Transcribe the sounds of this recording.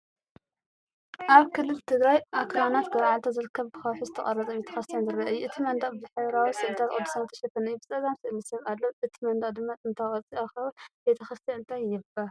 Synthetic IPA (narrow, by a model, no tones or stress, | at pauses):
ʔaβkʰɨlːɨlt̪ʰɨɡɾajʔakʰlanat̪ɡɐβaʕalt̪ʰozɨɾɨkʰːɐβbɨxɐwħuzɨt̪ʰɐkʼɐrːɐt͡sʼɐbet̪ʰɐ̥xɐst̪ʰɐnzɨɾɐʔɐjːuʔɨt̪ʰimɐnd̪ɐχʼbɨzɨħɨβɾawisɨlt̪ʰat̪ʔʼod̪usawt̪ʰɐʃɐfɐnɨjubɨt͡sʼɐɡamsɨʔlisɐβalːoʔɨt̪ʰimɐnd̪ɐχʼd̪ɨmːat̪ʼɨnt̪ʰajʼɐt͡sʼiaxɐβɨlbet̪ʰɐxɐst̪ɐɨnt̪ʼʰajːɪbɐ